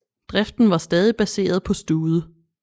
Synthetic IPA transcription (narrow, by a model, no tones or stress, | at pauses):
d̥ʁɛfd̥n̩ʋɑ̈sd̥ɛːð̞ˠib̥æse̝̰ːɐð̞̩ˠpʰɒ̽sd̥uːð̞ˠə